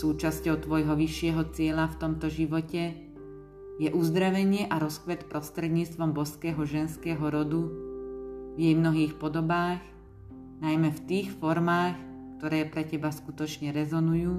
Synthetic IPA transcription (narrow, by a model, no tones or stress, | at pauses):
suːt͡ʃascɔʊt̪ʋɔjɦɔʋiʃːɪɛɦɔt͡sɪɛlaft̪ɔmt̪ɔʒiʋɔcɛ | jɛʔuzd̪ɾaʋɛɲɪɛʔaɾɔskʋɛt̪pɾɔst̪ɾɛd̪ɲiːt͡st̪ʋɔmbɔskɛːɦɔʒɛnskɛːɦɔɾɔd̪u | vjɛjmnɔɦiːxpɔd̪ɔbaːx | najmɛft̪iːxfɔɾmaːx | k̚t̪ɔɾɛːpɾɛcɛbaskut̪ɔt͡ʃɲɛɾɛzɔnujuː